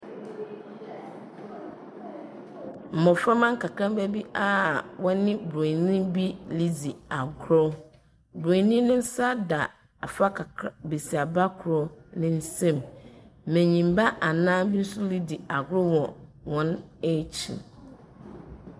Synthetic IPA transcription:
m̩˨mɔ̃˨fɾa˦mã˦ŋ˦kʰa˨kʰɾã˦m˦bæ˦bi˦ʔa˦wɔ˦nɪ̃˦bo˨nĩ˦bi˦li˦d͡zi˨a˨ɡɾo˦ | bɾo˨˦nĩ˦nʊ̃˦n̩˦sa˦da˨ | a˨fa˦kʰa˨be˨si˨a˨ba˦kʰʊ˨ɾo˦nɪ̃˦n̩˦sɛ̃˦m˨ | mɛ̃˨ɲĩ˨m˨ba˦ʔa˨nãː˦bi˦n̩˦sʊ˦li˦di˨a˨ɡʊ˦ɾʊ˦wɔ̃˨wɔ̃˦ne˦t͡ɕʰḭ˨

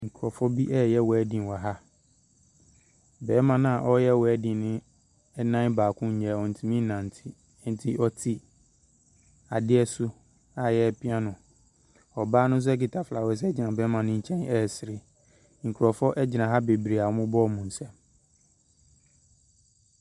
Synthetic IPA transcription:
ŋ̩˨kʰɾɔ˨fɔ˦bi˦ʔɛ˦˨jɛ˦wɔ˨ɛ˦dĩ˨n˨wa˨ɦa˦ | bɛː˨˦mã˨nã˨a˨ʔɔ˦jɛ˦wɔ˨ɛ˦dĩ˨nɪ̃˦ | ɛ˦nã˦n˦baː˨kʰʊ̃˦ɲ˦ɲɛ˨ɔ̃˨n̩˨tʰũ˨mĩ˦nã˨n̩˨tʰi˨ | n̩˨tʰi˦ʔɔ˦tʰi˦ | a˨dɪ˦ɛ˦sʊ˦ | a˨jɛ˦pʰɪ̃˦a˦nʊ̃˨ | ɔ˨baː˦nʊ̃˦s̬ʊ˦ki˨tʰa˨fla˨wɛ˨s̬ɛ˦d͡ʑɪ˨nã˨bɛː˦mã˨nʊ̃˦ɲ̩˦t͡ɕʰɛ̃˦nɛ˦˨sɪ˨ɾɪ˨ | ŋ̩˨kʰu˨ɾɔ˨fɔ˦ʔɛ˦d͡ʑɪ˨nã˨ɦa˦be˨bɾi˨a˨ɔ˦mʊ̃˦bɔ˦˨mũ˨n̩˨sɛ̃˦m

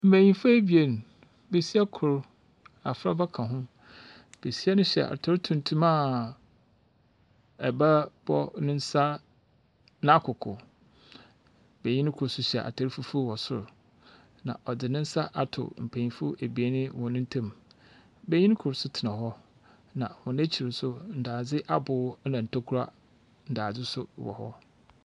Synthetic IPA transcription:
m̩˨pʰæ̃˨ɲĩ˨fʊ˦æ˦bi˨e˦n˨ | be˨si˦a˦kʰʊ˨ɾ | a˨fɾa̰˦ba˦kʰã˨ɦʊ̃˦ | b̥e˨si˦ɛ˦nʊ̃˦ɕɛ̰˨ʔa̰˨tʰɔ˨ɾtʰũ˨n˨tʰũ˦mã˦˨ | ɛ˨ba˦b̥ɔ˦nɪ̃˦n̩˦sa˦ | nã˦kʰʊ˨kʰʊ̰˨ | bɛ˨ɲɪ̃˦n˦kʰʊ˨ɾsʊ˦ɕi˨a̰˨ʔa̰˨tʰa˨ɾfu˦fu˦wɔ˨sʊ̰˦ɾ | nã̰˨ʔɔ˨dɪ˨nɪ̃˦n̩˦sa˦ʔa˨tʰʊ̰˨m̩˨pʰæ̃˨ɲĩ˨fʊ˦ʔe˨bi˨e˦nɪ̃˦wʊ̃˨nɪ̃˦n̩˦tʰã˦m | bɛ˦ɲɪ̃˦kʰʊ˨ɾsʊ˦tʰɪ˨nã˨ɦɔ˦ | nã˨hʊ̃˨n˦æ˦t͡ɕʰi˨ɾɪ˨sʊ˦n̩˨daː˨d͡zɪ˦ʔa˦bʊː˨˦nã˨n̩˨tʰa˦kʰu˦ɾa̰˦ | n̩˨daː˨d͡zɪ˦sʊ̰˦wɔ̰˨hɔ̰˦

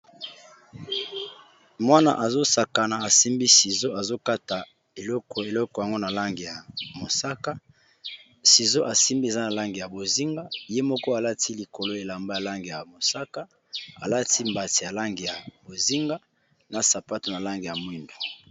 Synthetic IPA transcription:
mwa˦na̰˨ʔa˨zo˦sa˨ka˨na˨a˨si˦mbi˦si˨zo˦a˨zo˦ka˦ta˨ | e˨lɔ˦kɔ˨e˨lɔ˦kɔ˨ja˨ŋɡo˦na˨la˦ŋɡi˨ja˨mo˨sa˦ka˦ | si˨zo˦ʔa˨si˦mbi˦e˨za˦na˨la˦ŋɡi˨ja˨bo˨zi˦ŋɡa˦je˦mɔ˦kɔ˦a˨la˦ti˦li˨ko˨lo˦e˨la˨mba˦ja˨la˦ŋɡi˨ja˨mo˨sa˦ka˦ | a̰˨la˦ti˦mba˨ti˨ja˨la˦ŋɡi˨ja˨bo˨zi˦ŋɡa˦ | na˨sa˨pa˦to˨na˨la˦ŋɡi˨ja˨mwi˦mbo˨

